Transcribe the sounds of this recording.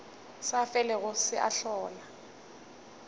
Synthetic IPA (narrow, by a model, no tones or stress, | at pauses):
safɛlɛɣʊsɪʔa̰ɬɔːla